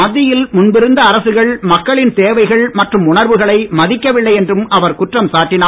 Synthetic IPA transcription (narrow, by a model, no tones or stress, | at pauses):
ɐðːɪjɪlmʊnbɪɾɯnd̪ɐːɾɐsɯɣɐɭmɐkːɐɭɪnt̪eːʋɐɪɣɐɭmɐʈrɯmʊɳɐɾʋɯɣɐɭɐɪmɐðɪkːɐʋɪɭːɐɪɛndrɯmɐʋɐɾkʊʈrɐmsaːʈːɪnaː